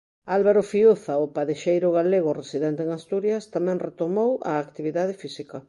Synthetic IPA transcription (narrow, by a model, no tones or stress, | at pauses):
alβaɾofiuθaʊpaðeʃejɾʊɣaleɣ̞ʊresiðɛnt̪eŋast̪uɾjɐst̪amɛ̃ŋret̪omowa̰ːkt̪iβiðað̞ɪfisika